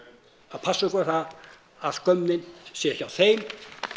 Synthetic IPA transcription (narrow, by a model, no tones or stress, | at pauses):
að̥pʰasːaʏkaɾθaðː | ð̥kœmːɪnsɛɛhçcːawθejm